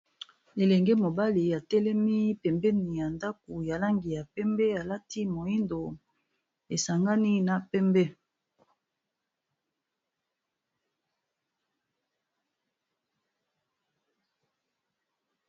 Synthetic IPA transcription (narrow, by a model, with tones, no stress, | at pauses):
e˨lɛ˨ŋɡɛ˦mo˨ba˦li˨ja˨tɛ˦lɛ˦mi˦pɛ˨mbɛ˦ni˨ja˨nda˦k̚o˨ja˨la˦ŋɡi˨ja˨pɛ˦mbɛ˦a˨la˦ti˦mo˨i˦ndo˨ | e˨sa˨ŋɡa˦ni˦na˨pɛ˦mbɛ˦